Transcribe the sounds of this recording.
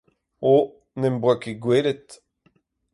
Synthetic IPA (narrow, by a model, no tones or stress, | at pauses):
o | nɛmbʁakeɡweːɾet̪